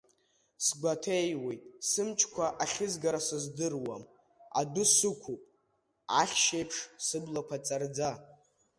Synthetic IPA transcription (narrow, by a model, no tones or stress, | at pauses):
sɡʷatʰejwe̞jtʼsɨmt͡ʃʰkʷʰaʔaχʲɪzɡaɾasɨzdɨrwam | a̰dʊsɨkʷʰupʼ | aχʲʃejpʰʂsɨblapʷʰat͡sʼard͡za